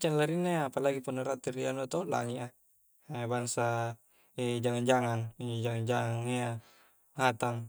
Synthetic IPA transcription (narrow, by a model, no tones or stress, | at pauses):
t͡ʃanlaɾinːaapalaɡipanaɾat̪iɾianuat̪ola̰ŋiʔa | ebaŋsa | ed͡ʒaŋand͡ʒaŋaŋid͡ʒaŋand͡ʒaŋaŋia | hat̪aŋ